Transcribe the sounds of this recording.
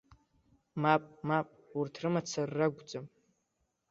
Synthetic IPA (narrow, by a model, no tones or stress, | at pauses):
mapʼmapʼurtʰrɨmat͡sʰarːaɡʷd͡zam